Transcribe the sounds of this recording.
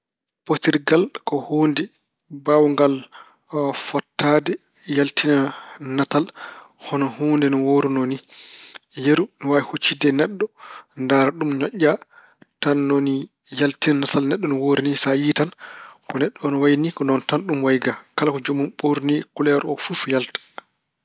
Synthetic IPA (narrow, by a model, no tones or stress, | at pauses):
postiɾɡalkɔhoːndɛ | bawŋɡal | fɔtːadɛ | jaltinanatal | hɔnɔhoːndɛnɔwoɾunoni | jeɾunɔwaihut͡ʃːidɛnɛɗːɔndaːɾaɗumɲɔʔːa | tanːoni | jaltinanatalnɛɗːɔnɔwoɾinisajitankɔnɛɗːɔnɔwajnikɔnɔntanɗumwajɡakalakɔd͡ʒumumɓoɾnikulɛɾɔfufjaltḁ